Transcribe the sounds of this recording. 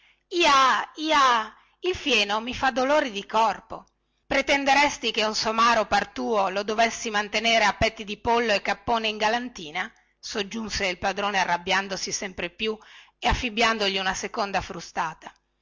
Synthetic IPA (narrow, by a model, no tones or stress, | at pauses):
iːaiːa | ilfjɛːnomifad̪ːoloːɾid̪ikɔrpo | pɾet̪ɛnd̪eɾɛst̪ikeunsomaːɾopart̪uːolod̪ovɛsːimant̪eneːɾeapːɛt̪ːid̪ipolːoekːapːoːneiŋɡalant̪iːna | sod͡ʒːunseilpad̪ɾoːnearːabjand̪osisɛmpɾepju | eafːibjand̪oʎiunasekond̪afɾust̪aːt̪ḁ